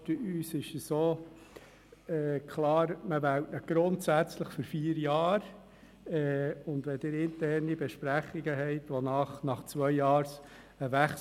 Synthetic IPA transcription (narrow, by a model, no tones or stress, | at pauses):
təyːsɪʃəsoː | ɛːkʰlɑːɾməʋæwtnəɡ̥ɾʊntsæt͡sləχføɾfiːəɾjɑːɾ | ɛːʊnd̪ʋɛdɪɾɪntɛrnibɛʃpɾæχːiɡəɦɛɪtʋonɑχnɑχt͡sʋœʏjɑːɾs | əʋæχs